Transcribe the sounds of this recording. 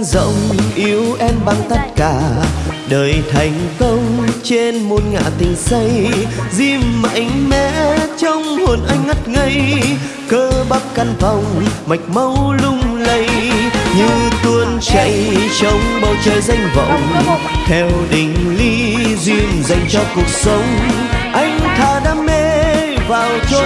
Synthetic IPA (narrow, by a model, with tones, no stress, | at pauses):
zə̰˧˨wŋ͡mʔi˨˦əwʔɛ˧mɓaː˧nt̪ə˦˥t̚kaː˧˩ɗəː˨˩jt̪ʰa˨˩jŋ̟kə˧wŋ͡mt͡ɕe˧nmo˧˩nŋa̰ː˧˨t̪ï˨˩ŋ̟sə˧jzi˧mːa̰˧˩jŋ̟mɛ̰˧˩˥t͡ɕɔ˧wŋ͡mho˨˩nʔa˧jŋ̟ŋa˦˥t̚ŋə˧j | kəː˧˦ɓa˦˥p̚ka˧nva˨˩wŋ͡mma˨˩jk̟̚ma˧wlʊ˧ŋ͡mlə˧jɲɨ˧t̪wə˧ənt͡ɕa˧˨jt͡ɕə˨˦wŋ͡mɓa˨˩wt͡ɕəː˧˨jza˧jŋ̟və̰˧˨wŋ͡m | t̪ʰɛ˧wɗï˨˩ŋ̟li˧ | zwi˧mza˨˩jŋ̟t͡ɕɔ˧ku˨˩ək̚sə˨˦wŋ͡m | ʔa˧jŋ̟t̪ʰaː˨˩ɗaː˧˦mme˧vaː˨˩wt͡ɕɔ˧